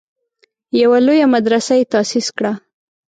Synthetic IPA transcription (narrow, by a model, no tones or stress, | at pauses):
jawalojamad̪ɾasajet̪ɑsiskɽa